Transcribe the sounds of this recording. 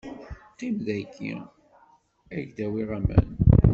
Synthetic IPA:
qimðækːḭ | æʝd̪æwiʁæmæ̰n

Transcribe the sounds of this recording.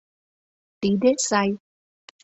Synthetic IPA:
t̪iɗet̚saj

